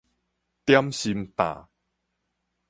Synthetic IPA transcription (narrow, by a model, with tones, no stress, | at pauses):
t̪ja˦mɕi˧mpã̰˨˩